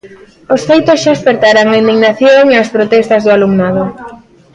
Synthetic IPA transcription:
osfejt̪osʃaespeɾt̪aɾaŋaĩnd̪iɣnaθjoŋeaspɾot̪ɛst̪ɐzðʊalumnað̞ʊ

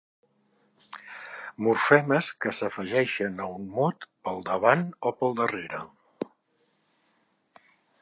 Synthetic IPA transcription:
muɾfɛməskəsəfəʒɛʃənəunmɔt̪pəlˠd̪əβanopəlˠd̪əreɾə

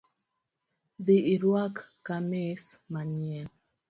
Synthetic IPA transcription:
ðeiɾwakːamesmaɲiɛn

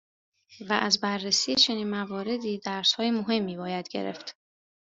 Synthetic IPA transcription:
væʔæzbærːesiːje̞t͡ʃʰe̞niːnmævɒːɾe̞d̪iːd̪æɾshɒːje̞moɦe̞mːiːbɒːjæd̪ɟe̞̰ɾe̞̰ft̪

